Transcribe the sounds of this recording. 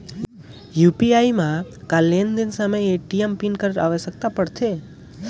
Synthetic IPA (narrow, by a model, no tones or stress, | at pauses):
jupiaimãkalːend̪ɪnsameːʈiempinkəɾɾa̰ʋeʃək̚t̪apəɽt̪ʰe